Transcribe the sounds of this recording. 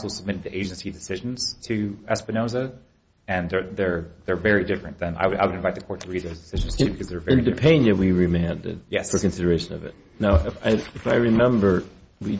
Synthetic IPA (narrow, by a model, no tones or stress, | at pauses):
sl̩ˠsəb̚mɪɾɨd̪̚ðiʔeɪd͡ʒn̩sidɨsɪʒn̩z̥tʰɨɛspɨnoʊzə | ɨ̃nðə˞ðə˞ðə˞vɛɹidɪfɹɨ̃nðɨ̃na̰ɪwɨɾa̰ɪwɨɾɨ̃ɱvaɪt̪̚ðɨkʰɔɹtʰəɹid̪̚ðoʊzdɨsɪʒn̩z̥tʰɨbɨkʌzðə˞vɛɨ̃idɨpʰẽɪ̃njɨwiɹɨmæ̃ndɨ̰d̥̚jɛsfə˞kɨ̃n̩sɪɾə˞eɪʃɨ̃nʌ̰vɨ̰t̚ | naʊʔɪfa̰ɪɨfaɪɹɨmɛ̃mbə˞ | wi